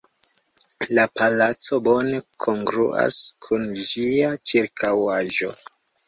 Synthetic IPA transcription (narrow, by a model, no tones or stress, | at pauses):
lapalat͡so̞bo̞ne̞kʰo̞ŋɡɾuʔa̰skʰund͡ʒiat͡ʃiɾkʰawaʒo̞